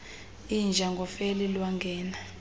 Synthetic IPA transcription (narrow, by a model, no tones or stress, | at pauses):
ind͡ʒʱaŋɡʱɔfelilwaŋɡʱɛːna